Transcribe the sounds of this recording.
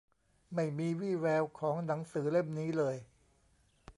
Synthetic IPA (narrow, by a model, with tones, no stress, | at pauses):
ma˥˩jmiː˧wiː˥˩wɛː˧wkʰɔː˩˦ŋna˩˦ŋsɯː˩˦le˥˩mniː˦˥lɤː˧j